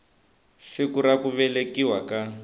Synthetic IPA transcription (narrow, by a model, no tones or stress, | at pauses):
ʃikuɾakuβɛlekiwaka